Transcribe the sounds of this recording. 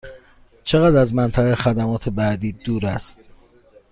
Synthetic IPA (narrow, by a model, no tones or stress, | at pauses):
t͡ʃʰe̞ɣæːd̪æzmænt̪ʰæɣexæd̪æmɒːt̪ʰe̞bæd̪iːd̪uːɾæst̪̚